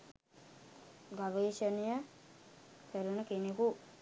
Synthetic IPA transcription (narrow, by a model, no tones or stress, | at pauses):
ɡaʋeːʃənijə | k̪əɾunəkeneku